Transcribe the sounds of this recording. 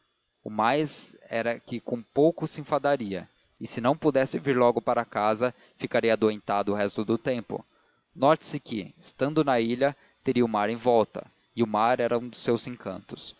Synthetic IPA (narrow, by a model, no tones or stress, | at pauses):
ʊmajzɛɾɐkɪkõpowkʊsɪẽfad̪aɾiɐ | ɪsɪnɐ̃w̃pʊd̪ɛsɪviɾlɔɡʊpaɾɐakazɐ | fikaɾiɐad̪uẽnt̪ad̪ʊʊɦɛst̪ʊd̪ʊt̪ẽmpʊ̰ | nɔɾt͡ʃɪ̥sɪkɪɪst̪ɐ̃nd̪ʊnɐiʎɐ | t̪eɾiɐʊmaɾẽj̃vɔwt̪ɐ̰ | ɪʊmaɾɛɾɐũd̪ʊsːewzẽŋkɐ̰̃nt̪ʊ̥s